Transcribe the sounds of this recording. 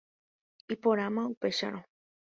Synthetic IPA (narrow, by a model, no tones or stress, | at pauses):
ipoɾamãupe̞ʃa̰ɾõ